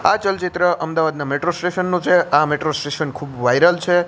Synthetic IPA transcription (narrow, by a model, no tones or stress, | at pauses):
a̰t͡ʃəlt͡ʃit̪ɾəʔəmd̪aʋad̪nameʈɾosʈeʃənːũt͡ʃʰeameʈɾosʈesənkʰubʋajɾəlt͡ʃʰe